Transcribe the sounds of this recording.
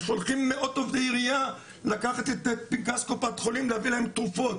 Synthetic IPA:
ʃo̞lχimːeʔo̞d̚t̪ovd̪eiʁija | lakaχat̪et̪epiɡaskopat̪χo̞limleavilahemt̪ʁufo̞t̪

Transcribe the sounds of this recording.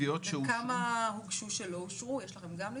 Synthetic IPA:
ijot̪ʃeukamaɦukʃuʃeloʃʁujeʃlaχemɡamli

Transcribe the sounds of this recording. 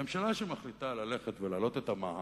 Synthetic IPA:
emʃalaʃemaχlit̪alale̞χet̪velaːlo̞t̪et̪ama

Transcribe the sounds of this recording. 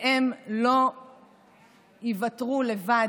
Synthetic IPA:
emlo̞ | ivatʁule̞va

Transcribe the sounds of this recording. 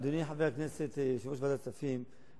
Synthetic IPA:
d̪uniħaveakneset̪ʃavuʃbad̪at͡safim

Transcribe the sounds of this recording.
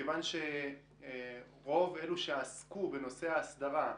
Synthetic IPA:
evanʃe̞ | ʁo̞veluʃeaskube̞no̞se̞aːsd̪aʁa

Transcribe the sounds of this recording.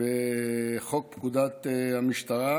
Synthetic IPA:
eχo̞k̚pkud̪at̪hamiʃt̪aʁa

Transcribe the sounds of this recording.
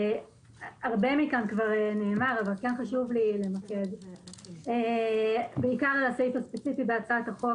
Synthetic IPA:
aʁbemikankvaʁeneːmaʁavalkenχaʃuvlilemaked | e | beikaʁlasejfaspet͡sifibeat͡sataχo

